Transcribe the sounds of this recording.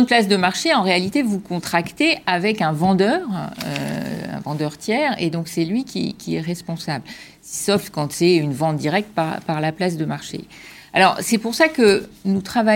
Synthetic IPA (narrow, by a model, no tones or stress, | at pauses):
d̪plas̬d̪əmaʁʃeɑ̃ʁealit̪evukɔ̃t̪χakt̪eʔavɛkɛ̃vɑ̃d̪œːʁø̰ɛ̰̃vɑ̃d̪œʁt̪ʰjɛʁḛd̪ɔ̃ksɛlɥikʲʰḭkʲiɛʁɛspɔ̃sabl | sɔfkɑ̃t̪sɛynvɑ̃t̪̚d̪iʁɛk̚t̪̚paʁpaʁlaplasd̪əmaʁʃḛ | a̰lɔʁsɛpuʁsakənut̪χava